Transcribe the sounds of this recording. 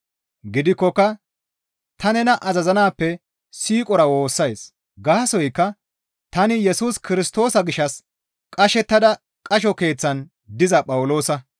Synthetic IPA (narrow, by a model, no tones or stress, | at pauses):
ɡɪd̪ɪkːɔkːɐ | t̪ʰɐnɛnɐʔɐzɐzɐnaːpːɛ | siːkʼɔɾɐwo̞ːsːɐjs | ɡaːsɔjkːɐ | t̪ɐnɪjɛsuːskɪɾɪst̪o̞ːsɐɡɪʃːɐs | kʼɐʃɛt̪ːɐd̪ɐ | kʼɐʃ̬ɔke̞ːt͡sːɐn | d̪ɪzɐpʼɐwʊlo̞ːsɐ